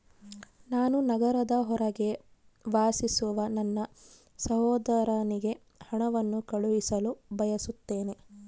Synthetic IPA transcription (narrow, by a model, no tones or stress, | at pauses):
naːnunɐɡɐɾɐd̪ɐɦɔɾɐɡe̞ | ʋaːsisuʋɐnɐnːɐ | sɐɦɔːd̪ɐɾɐniɡe̞ | hɐɳɐʋɐnːukɐɭuʋisɐlubʱɐjɐsut̪ːe̞ːne̞